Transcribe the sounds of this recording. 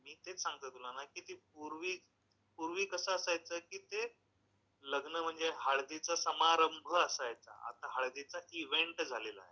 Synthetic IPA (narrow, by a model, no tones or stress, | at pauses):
miːt̪et͡ssãŋɡ̚t̪əːt̪ulanakiːt̪iːp̚uɾʋiː | puɾʋiːkəsəəsajt͡səːkiːt̪e | ləɡnəm̤əɳd͡zeɦaɭd̪it͡sasəmaɾəmbʱəːsajt͡sa̰a̰t̪aɦaɭd̪it͡saʔiʋeɳʈd͡zʱalela̰ɦe